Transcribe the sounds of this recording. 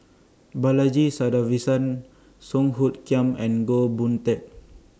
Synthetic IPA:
balad͡ʒisadavisə̃n | sɔ̃ŋɦut̪̚kiãmɛ̃nɡobũnt̪ɛk̚

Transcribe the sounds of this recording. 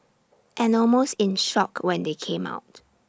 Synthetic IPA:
ʔɛ̃nɔlmostɪ̃nʃɔ̰kwɛ̃ndekʰẽma̰ʊt̚

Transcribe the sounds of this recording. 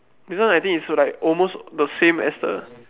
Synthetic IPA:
diswãnajt̪ĩŋitslaɪkɔlmosdəsẽmɛ̰sdə̰

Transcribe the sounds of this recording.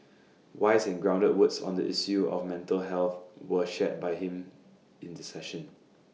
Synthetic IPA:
waɪzɛ̃nɡɹãʊ̃ndət̚wʊtsɔ̰̃ndə̰ʔisjuɔ̰fmɛ̃ntəlɦɛlˠθwəʃɛt̚bajhɪ̃m | ɪ̃ndisɛʃə̃n

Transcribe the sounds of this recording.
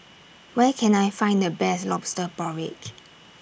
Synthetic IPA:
wɛkʰɛ̃najfãɪ̃ndəbɛslɔpstəpɔɹɪ̰k

